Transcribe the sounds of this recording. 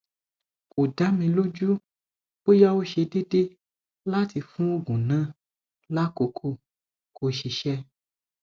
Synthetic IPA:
ko˨da˨˦mĩ˧lo˦d͡ʒu˦ | bo˦ja˦wo˦ʃe˧de˦de˦ | la˦ti˧fũ˦o˦ɡũ˨nã˦ | la˦ko˧kʰo˦˨ | kʰo˧ʃi˨˧ʃɛ˦

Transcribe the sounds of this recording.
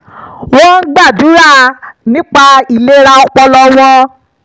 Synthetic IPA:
wo˦n̩˦ɡ͡ba˦˨du˨˦ɾa˦˨nĩ˦k͡pa˧i˨le˦ɾa˧ɔ˧˦k͡pɔ˧lɔ˧w̃ɔ̃˧

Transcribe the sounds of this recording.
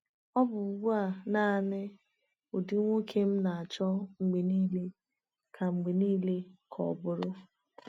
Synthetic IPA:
ɔ˦bʊ˨ɡ͡bu˦a˦˨na˦˨nɪ˦ | o˨dɪ˦ŋʷo˦kʰe˦m̩˦na˨a˨t͡ʃɔ˦ŋ͡m̩˨ɡ͡be˨niː˦le˦ | kʰa˨ŋ͡m̩˨ɡ͡be˨niː˦le˦kʰɔ̰˨bʊ˦ɾʊ˦

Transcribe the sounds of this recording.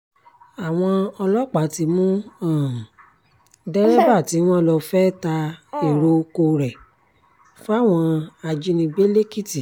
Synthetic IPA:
a˨w̃ɔ̃˧ɔ˧lɔ˦k͡pa˨˦ti˧mũ˦ã˦˨ | dɛ˦ɾɛ˦ba˦˨ti˨˦w̃ɔ̃˦lɔ˧fɛ˦ta˧e˦˨ɾo˧ko˧ɾɛ˨ | fo˦a˦˨w̃ɔ̃˧a˧d͡ʒi˧nĩ˧be˦le˦ki˦ti˨

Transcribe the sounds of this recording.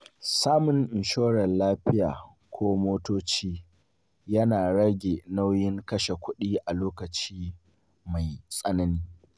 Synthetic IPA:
saː˦mʊ˨ŋʔɪ˨nʃoː˦ɽɐ˨nlaː˦ɸɪ˦jaː˨ | kʷʰoː˦moː˦toː˦t͡ʃiː˦ | jɐ˦naː˨ɽɐ˦ɡʲe˨na˦wjɪ˦ŋkɐ˦ʃe˨kʷʊ˦ɗiː˦ʔa˨loː˦kɐ˨t͡ʃiː˦ | ma˨jsʼɐ˦nɐ˦niː˦

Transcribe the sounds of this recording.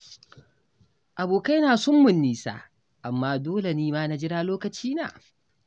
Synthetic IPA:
ʔa˨boː˨ka˦jnaː˨sʊ˦mːʊ˨nːiː˨sa̰ː˦ | ʔa˨mːaː˦doː˦le˨niː˦maː˦na˦d͡ʒɪ˦ɽaː˦loː˦kɐ˨t͡ʃiː˦na̰ː˨

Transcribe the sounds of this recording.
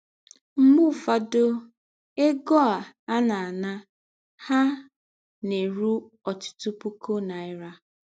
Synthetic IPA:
m̩˦mu˦˨fa˨do˦ | e˦ɡɔ˦a˨ | a˦na˨na˦ | ha˦ | ne˨ɾu˦ | ɔ˨tʊ̥˨tu˦pu˦ko˦na˨ɪ˦ɾa˦

